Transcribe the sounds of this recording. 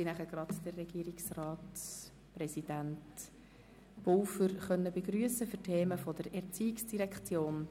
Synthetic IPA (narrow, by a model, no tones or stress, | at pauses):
inæχəɡ̥rɑdd̥ərːɛɡ̥iːəɾiksrɑːt | prɛsid̥ænt | polfəɾχœnːəbeɡɾyːəsəfʏɾtʰeːməfɔd̥əɾɛɾt͡siːɪksd̥iɾɛkχt͡sjoːn